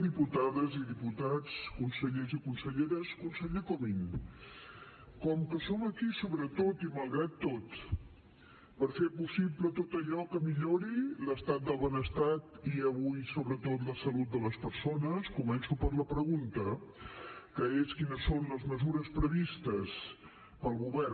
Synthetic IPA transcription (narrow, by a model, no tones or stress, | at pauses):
d̪iput̪aðəziðiput̪at͡skunsəʎezikunsəʎeɾəskunsəʎekɔmin | kɔmkəsɔməkisoβɾət̪ot̪iməlˠɣɾat̪ːot̪ | pəɾfepusiplət̪ot̪əʎɔkəmiʎoɾiləst̪at̪̚d̪əlˠβənəst̪at̪iəβujsoβɾət̪ot̪ləsəlut̪̚d̪ələspəɾsonəskumɛnsupəɾləpɾəɣunt̪ə | kəeskinəsːonləzməzuɾəspɾəβist̪əs | pəlˠɣuβɛr